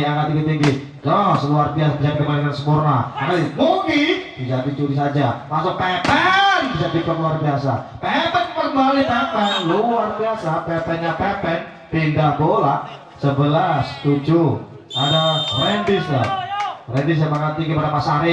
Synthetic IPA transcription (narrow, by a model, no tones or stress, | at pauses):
aŋat̪iŋɡit̪iŋɡi | dɔsəluarbiasabisapkəmaɾiŋansəmurnaaalimubidisadit͡ʃuɾis̬ad͡ʒamasʊk̚pɛpɛnbisadipat̪luarbiasa̰ | pɛpɛnməbaanipɛpɛnluarbiasapɛpɛnɲapɛpɛn | pindabolaʔ | səbəlast̪ud͡ʒu | adarɛndɪsjarɛndɪs̬jamaŋat̪ːiŋɡipadamasaɾɪ